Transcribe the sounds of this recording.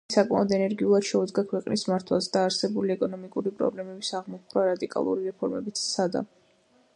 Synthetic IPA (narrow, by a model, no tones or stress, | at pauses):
sakʼma̰ɔd̪ɛnɛɾɡiulˠad̪̥ʃɛud̪zɡakʰwɛqʼnismaɾt̪ʰwa̰zd̪aːɾsɛbuliɛkʼɔnɔmikʼuɾipʼɾɔ̰blɛmɛbisaʁmɔkʰɾaɾad̪ikʼa̰lˠṵɾiɾɛpʰɔɾmɛbit̪sʰt̪sʰad̪a̰